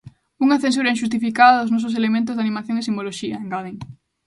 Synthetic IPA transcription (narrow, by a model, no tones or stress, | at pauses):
uŋɐθens̬uɾɐinʃust̪ifikaðɐðoznɔs̬os̬elemẽnt̪̬ʊzðanĩmaθjoŋesimboloʃiɐeŋɡaðiŋ